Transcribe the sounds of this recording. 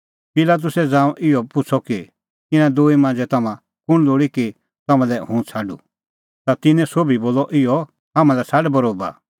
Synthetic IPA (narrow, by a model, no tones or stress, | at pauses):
pɪlaːt̪̬ʊsɛd͡zãːũʔɪɔpʊt͡sʰɔki | t̪ɪnãd̪oːimãːnd͡zɛt̪ɐmã | kʊɽ̃loːɽiki | t̪ɐmãlɛɦũːt͡sʰaːɖṵ | t̪at̪ɪnɛ̃soːbiboːlɔʔɪɔ | ɦamãlɛsaɖbɐɾoːba̰